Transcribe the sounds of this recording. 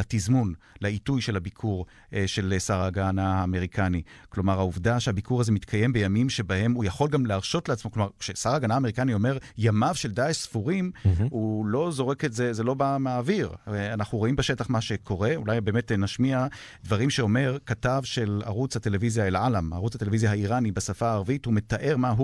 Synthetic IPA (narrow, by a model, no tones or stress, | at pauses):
atizmun | laitujʃe̞lhabikʰuʁ | ʃe̞lsaʁaɡanaaːme̞ʁikʰaniklo̞maʁhauvdaʃehabikʰuʁazemit̪kʰaje̞mbe̞jamimʃe̞bahe̞mujaχo̞lɡamleaʁʃo̞tleat͡smo̞klomaʁkʃesaʁaɡanaːme̞ʁikanio̞me̞ʁjamavʃe̞ldaesfuʁimulo̞zo̞ʁeketze̞zelo̞bamaːviʁeanaχuʁoimbeʃetaχmaʃe̞kʰo̞ʁe̞ulajbe̞ːmetnaʃmia | dvaʁimʃeo̞me̞ʁkatavʃe̞la̰ʁut͡shate̞levizjaelalama̰ʁut͡shat̪elevizjahaiʁanibasafaːʁvithume̞taʔe̞ʁmaɦu